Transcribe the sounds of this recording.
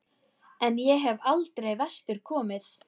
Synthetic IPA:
ɛnjɛɦɛvalt̪ɾejvɛst̪ʏɾ̥kʰɔːmɪθ

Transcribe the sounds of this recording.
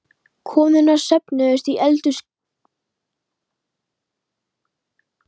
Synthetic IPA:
kʰɔːmðʏnaɾ̥sɛpnʏʏst̪iʔɛlt̪ʏs

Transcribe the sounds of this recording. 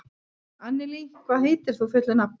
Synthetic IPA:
anːɪlikʰvaːðɦeːjt̪ɪɾ̥θufʏht̪lʏnap

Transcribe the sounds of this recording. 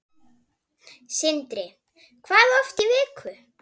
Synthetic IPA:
sɪnt̪ɾɪ | kʰvaːðɔft̪ɪvɪːkʰvʏ

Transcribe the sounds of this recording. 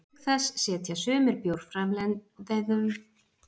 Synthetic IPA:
θɛsːɛːt̪ʰjasʏːmɪɾpjowɾfɾamlɛðɛðʏvʏ

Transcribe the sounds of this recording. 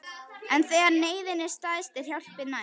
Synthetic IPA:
ɛnθejɣaɾneːjðɪnɪ̥st̪aðɪst̪vɪðhjawl̥pɪna

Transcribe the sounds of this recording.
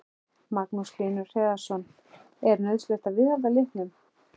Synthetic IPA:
maknusliːnʏɾ̥r̥ɛːɣasɔn | ɛɾnœɥðslɛht̪aðvɪðhavðalɪht̪nʏm

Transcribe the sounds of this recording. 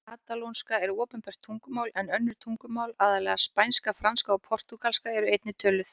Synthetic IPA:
aːt̪alownskaɛɾʏɔːpɛnpɛr̥t̪ʰːuŋkʏmaːwlɛnœnːʏɾ̥t̪ʰuŋkʏmaːwlaːðalɛːɣaspajnskafɾanskaɔpʰɔr̥t̪ukalskaɛɾʏejt̪nɪt̪ʰœːlʏθ

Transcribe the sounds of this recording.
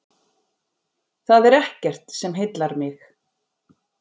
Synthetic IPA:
θaðɛɾɛhcɛr̥t̪sɛmɦɪt̪laɾmɪx

